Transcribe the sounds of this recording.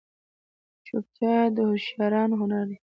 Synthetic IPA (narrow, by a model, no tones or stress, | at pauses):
t͡ʃop̚t͡ʃɑd̪əhʊʃjɑɾɑnɦʊnaɾd̪e